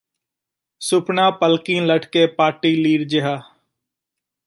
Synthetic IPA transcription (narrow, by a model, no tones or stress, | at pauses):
sʊpnãːpəlkĩːləʈkeːpaːʈiːliːɾd͡ʒɪɦaː